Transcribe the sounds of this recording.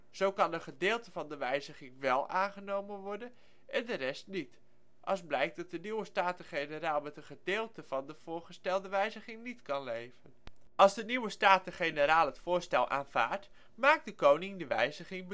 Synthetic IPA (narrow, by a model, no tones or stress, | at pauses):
z̥owkɑnəχədɪːlˠtəvɑndəʋɛjzəχɪŋʋɛlˠʔaːnχənowmənʋɔɹdən | ʔɛndəɾɛstnit | ʔɑ̰lˠzblɛjk̚dɑt̚dəniwəstaːtəχejnəɾaːlˠmɛtənχədɪːlˠtəv̥ɑndəv̥ʊːɹχəstɛlˠdəʋɛjzəχɪŋnitkɑnlejvənʔɑlˠzdəniwəstaːtəχejnəɾaːlˠɦətfʊːɹstɛlˠʔa̰ːnv̥a̰ːɹt | maːk̚dəkownɪŋdəʋɛ̰jzəχɪŋb